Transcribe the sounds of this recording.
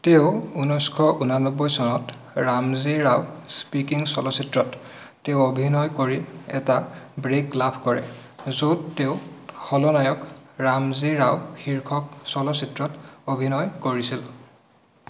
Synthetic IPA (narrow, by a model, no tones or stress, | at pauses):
teʊunɔjskʰɔʔunanɔbːɔjsɔnɔt | ɹamziɹawspikiŋsɔlɔsitɹɔtː | eʊobʱinɔjkoɹiɛ̰tabɹeklapʰkɔɹɛ̰zotːeʊxʰɔlɔnajɔkɹamziɹawxiɹkʰɔk̚sɔlɔsitɹɔtobʱinɔjkoɹisil